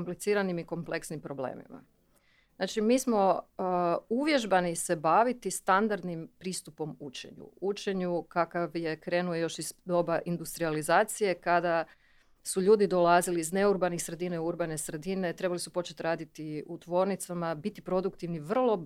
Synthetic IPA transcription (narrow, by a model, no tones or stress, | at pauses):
komplit̪siːɾanimiko̞mple̞ksnimpɾo̞blḛːmḭma̰ | znaːt͡ʃimiːsmo̞ | uʋje̞ʒbanise̞baʋit̪ist̪and̪aɾd̪nimpɾiːst̪upo̞mut͡ʃe̞̰ɲṵut͡ʃe̞ɲukakaʋje̞kɾe̞ːnuejo̞ʃizd̪o̞baʔind̪ust̪ɾializaːt̪sije̞kad̪a | suʎuːd̪id̪o̞lˠaziliːzne̞uɾbanixsɾe̞d̪ineuɾbane̞sɾe̞d̪ine̞t̪ɾe̞balisupo̞t͡ʃet̪ɾaːd̪it̪iut̪ʋo̞ːɾnit̪samabit̪ipɾo̞d̪ukt̪iʋniʋr̩lˠo̞